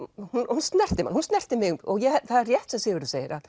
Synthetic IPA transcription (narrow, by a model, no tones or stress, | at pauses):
hunhunst̪nɛr̥t̪ɪma̰nhunst̪nɛr̥t̪ɪmɪɣɔɣjɛɛθaðrjɛht̪sɛsɪːvɪɾʏseːjɪɾað